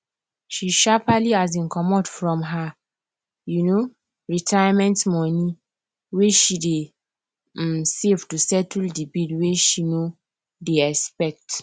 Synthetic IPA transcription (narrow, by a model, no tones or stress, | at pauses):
ʃiʃapaliazĩnkʰɔmɔtfɹɔ̃mɦa | juno | ɹitʰajamɛ̃ntmɔni | weʃide | msevtusɛtldibidweʃino | deɛspɛk̚t